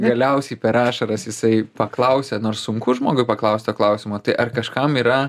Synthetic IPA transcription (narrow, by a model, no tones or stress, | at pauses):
ɡɐlʲɛʊsʲɛɪpʲɛɾɑːʃɐɾɐsjɪsɐɪpɐklˠɐʊsʲɛnoːɾssʊŋkʊʒmoːɡʊɪpɐklˠɐʊsʲt̪oːklˠɐʊsʲɪmoːt̪ɐɪʔɐrkɐʃkɐmiːɾɐ